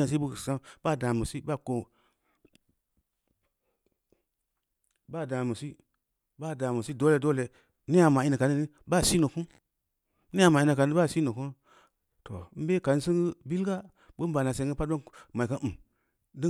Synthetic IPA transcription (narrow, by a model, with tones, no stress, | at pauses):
a˨s̬i˦bu˦˨sa˦mba˦˨da˨mu˨si˦ba˦ko˨ | ba˦˨da˨mu˨si˦ | ba˦˨da˨mu˨si˦do˦le˧˨˦do˦le˨ | ni˦ja˧ma˨i˦na˨ka˨ni˦ni˦ | ba˦˨si˦no˨ku˦ | ni˦ja˧ma˨i˧˦na˨ka˨˦a˦˨si˦no˨ku˦n | to˨m̩˦be˦ka˨n˦sɨ˦ŋɡɨ˦bi˦lɡa˦ | bu˦m̩˦ba˨na˨s̬e˨˦ŋɡɨ˦pa˦t̚ba˦ma˨ka˦m̩˨m | dɨ˦